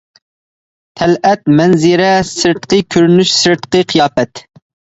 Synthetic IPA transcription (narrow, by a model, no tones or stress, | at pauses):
t̪ʰɛlʔɛt̪̚mɛnzɨɾɛsɨɾt̪qɨkʲʰøɾnyʃsɨɾt̪qɨqʰijɑːpɛt̪